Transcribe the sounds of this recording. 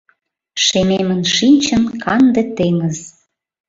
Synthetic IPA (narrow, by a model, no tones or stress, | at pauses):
ʃememə̆nʃinʲt͡ɕənkʰɑnd̪ĕt̪eməz